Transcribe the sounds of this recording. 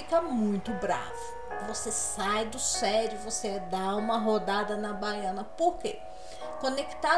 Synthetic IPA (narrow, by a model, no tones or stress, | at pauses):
ikɐmũj̃t̪ʊbɾa̰vʊ | vosesajd̪ʊsɛɾjʊvosed̪aũmɐɦod̪ad̪ɐnɐbajɐ̃nɐpoɾkḛ | kõneki̥t̪a